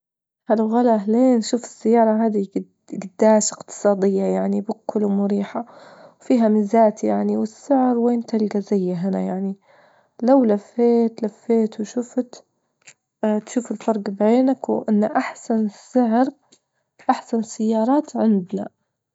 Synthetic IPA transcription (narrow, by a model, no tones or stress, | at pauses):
halɣalaʔaleːnʃuːfɪ̥sːajːɑːɾˤɑɦaːd̪i | ɡad̪ːaːʃɪqt̪ɨ̥sˤɑːd̪ɪjːajaʕnibʊkːʊlwmʊɾiːħawfiːɦamɪzaːt̪jaʕniwɪsːɪʕɾweːnt̪alɡazajːaɦɪna̰jaʕni | lawlafːeːt̪lafːeːt̪wʃʊft̪ | t̪ʃuːfɪlfɑɾˤɡbʕeːnakwʔɪnːaʔaħsanɪsɪʕɾ | ʔaħsansajːɑːɾˤɑːt̪ʕɪnd̪na